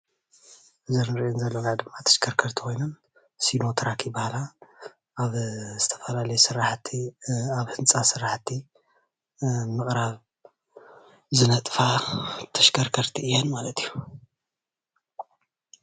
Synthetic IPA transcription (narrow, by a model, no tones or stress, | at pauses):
ɨzɐɾɨɾiɨnzɐlːoɡad̪ɨmːat̪ʰɐ̥ʃkʰɐɾkʰɐɾt̪ʰi̥xʰo̞jnon | sino̞t̪ʰɾakʰibahlaː | βzɨt̪ʰɐ̥fɐlalɐjusɨɾaħt̪ʰiaβhɨnt͡sʼasɨɾːaħt̪ʰːi | mɨχʼɾaβ | zɨnɐt̪ʼfat̪ʰɐ̥ʃkʰɐɾkʰɐɾt̪ʰiɨjːenmalɐt̪ʰiju